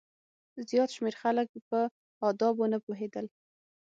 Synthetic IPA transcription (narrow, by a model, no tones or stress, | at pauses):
zjɑt̪ʃmeɾxalək̚pə | ɑd̪ɑbonəpoɦed̪əl